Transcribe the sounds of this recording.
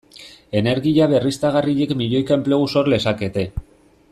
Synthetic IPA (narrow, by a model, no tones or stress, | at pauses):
e̞ne̞ɾɣiʎaβe̞rist̪aɣariʎekmiʎo̞jkaempleɣuso̞ɾle̞sake̞t̪e̞